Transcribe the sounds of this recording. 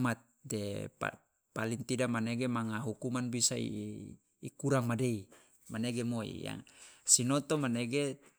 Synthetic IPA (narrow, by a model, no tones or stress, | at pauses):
mat̪̚depa̰ | paliŋt̪idamaneɡemaŋaɦukumanbisaḭː | kuɾaŋmadei | maneɡemoḭja̰ŋsinɔt̪ɔmaneɡe